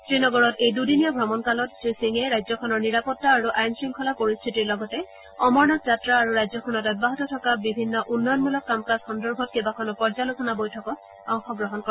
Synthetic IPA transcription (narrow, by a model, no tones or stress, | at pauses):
tɹinɔɡɔɹɔtejdudinijɔbʱɹɔmɔnkalɔttɹisiŋɛɹajzɔkʰɔnɔɹniɹapɔtːaːɹuʔajnsɹiŋkʰɔlapoɹist̪ʰitiɹlɔɡɔtɛ | ɔmɔɹnɔtzatɹaːɹuɹajzɔkʰɔnɔtɔt̚baɦɔtɔtʰɔkabibʱinːɔʔunːɔjɔnmulɔkːamkasxɔndɔɹbʱɔt̚kebakʰɔnɔpɔɹzalusɔnabojtʰɔkɔ | ɔŋxɔɡɹɔɦɔnkɔ